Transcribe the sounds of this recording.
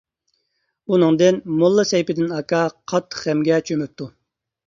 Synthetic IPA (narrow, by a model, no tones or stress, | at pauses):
unɨŋd̪ɪnmolˠːɨsɛjpɪd̪ɪnɑkʰɑqʰɑt̪ʰːə̥χɛmɡʲɛt͡ʃʰømyp̚t̪ʰu